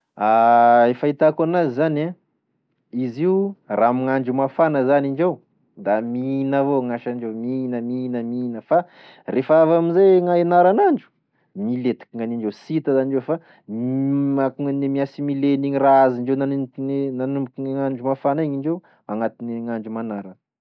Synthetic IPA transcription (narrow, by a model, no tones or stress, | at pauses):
aefait̪akanazizana | iziuramiŋaɳd͡ʒumafanəzaniɳɖ͡ʐew | d̪aminavoŋaʃaɳɖ͡ʐewminəminəminəfa | refaavaminzeŋaenaɾanaɳɖ͡ʐu̥ | milet̪i̥kiŋaniɳɖ͡ʐewsit̪azaniɖ͡ʐewfa | akuŋanemiasimileniɲiraaziɳd͡ʒewnannnanumbukinŋaɳd͡ʒumafaneŋiɳd͡ʒew | aŋat̪iniŋaɳd͡ʒumanaɾən